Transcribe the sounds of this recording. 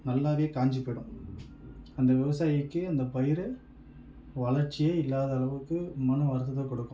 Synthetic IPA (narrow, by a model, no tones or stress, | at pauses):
nɐlːaːʋeːkaːɲd͡ʒɪpːɪɽɯ̃m | ɐnd̪ɐʋɪʋɐsaːjɪkːɯɐnd̪ɐpɐjɪɾ | ʋɐɭɐɾt͡ʃːɪjeɪlːaːðɐɐɭɐʋɯkːɯmɐnɐʋɐɾɯt̪ːɐðɐkɔɽɯkːɯ̃